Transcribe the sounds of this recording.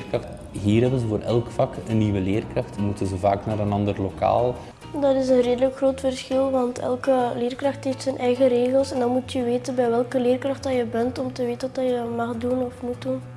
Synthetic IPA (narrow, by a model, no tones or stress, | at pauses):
kɑxt | ɦiːrɦɛbənzəvoːɾʔɛ̰lˠkfɑkənːiʋəleːrkrɑxtmutənzəva̰ːknaːɾənɑndərloka̰ːlˠ | dɑtɪs̬ənreːdələkxroːtfərsxɪlˠʋɑntʰɛ̰lˠkəleːrkrɑxtɦeftsənʔɛjɣəɾeːɣəlˠsɛndɑnmutjəʋeːtənbɛjʋɛlˠkəleːrkrɑxtɑjəbɛntɔmtəʋeːtənɔtɑjəmɑxdunɔfmut̚dun